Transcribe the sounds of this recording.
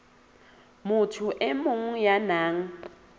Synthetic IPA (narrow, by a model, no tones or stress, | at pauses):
mutʰuʔɛmuŋ̩janaːŋ̩